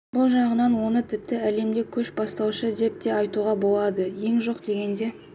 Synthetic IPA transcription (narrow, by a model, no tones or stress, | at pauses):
bʊlˠʒɑɴənɑnwo̞nət̪ʰɪp̚t̪ɪæle̞md̪ekʲʰɵʃbɑst̪ɑwʃəd̪e̞p̚t̪e̞ɑjt̪uʁɑbo̞lˠɑd̪əje̞ŋʒo̞qd̪e̞ɡʲe̞nd̪e̞